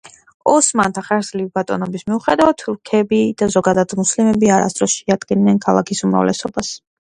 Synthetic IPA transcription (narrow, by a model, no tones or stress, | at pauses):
ɔsmant̪ʰaχɛɾzlivbat̪ʼɔ̰nɔbismiuχɛd̪avat̪ʰuɾkʰɛbid̪̥azɔɡad̪ad̪muslimɛbiaɾa̰st̪ʼɾɔsʃɛad̪̥ɡinnɛnkʰalˠakʰisumɾa̰vlɛ̰sɔbas